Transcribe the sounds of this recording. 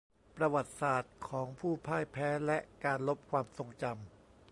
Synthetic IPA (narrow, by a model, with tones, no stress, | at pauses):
pɾa˧wa˨˩t̪̚saː˨˩t̪̚kʰɔː˩˦ŋpʰuː˥˩pʰaː˥˩jpʰɛː˦˥lɛ˦˥ʔkaː˧nlo˦˥p̚kʰwaː˧mso˧ŋt͡ɕa˧m